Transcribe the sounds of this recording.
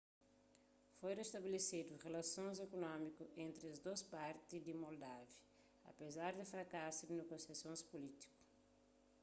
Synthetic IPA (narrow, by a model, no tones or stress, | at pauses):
fojɾ̃est̪abelesid̪uʁelasõnzekonɔ̃mikuẽnt̪ɾɪɐzd̪ospaɾt̪izd̪imold̪avjɐ | ɐ̰pezaɾd̪efɾakasud̪ɪneɡõsasõspolit̪i̥ku̥